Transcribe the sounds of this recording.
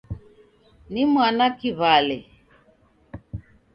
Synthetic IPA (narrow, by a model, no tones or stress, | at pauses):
nimwanakiβalɛ